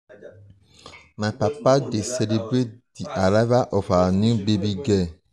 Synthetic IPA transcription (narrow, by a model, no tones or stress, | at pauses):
mãpapadesɛlebɾed̥iʔaɾavaʔɔfanũbebiɡɛ